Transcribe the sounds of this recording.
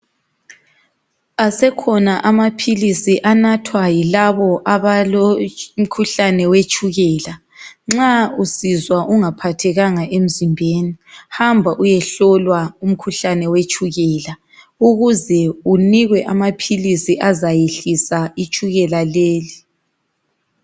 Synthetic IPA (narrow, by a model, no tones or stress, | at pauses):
asɛkʰɔnaʔamapʰilisiʔanatʰwajilaβɔʔaβalom̩kʰuɬanɛwet͡ʃʼuɣɛla | ŋ͡ǁausizwaʔuŋapʰatʰɛɣaŋaʔem̩zimbʱeːnihambʱaʔujɛɬɔlwaum̩kʰuɬanɛwet͡ʃʼuɣɛla | uɣuzɛuniɣwɛʔamapʰilisiʔazajeɬisait͡ʃʼuɣɛlaleːli